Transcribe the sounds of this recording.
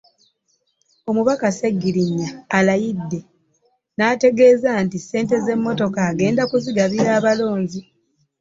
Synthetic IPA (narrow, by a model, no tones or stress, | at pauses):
o̞muβakaseɡːiɾiɲːaːlajidːe̞ | naːte̞ɡe̞ːzaːntise̞ːnte̞ze̞mːo̞to̞kaːɡe̞ːndakuziɡaβiaːβalo̞ːɲzi